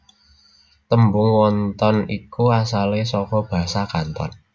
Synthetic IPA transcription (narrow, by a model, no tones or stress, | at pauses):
t̪əmbʊŋwɔnt̪ɔnikuasalesɔkɔb̥a̤sakant̪ɔ̰n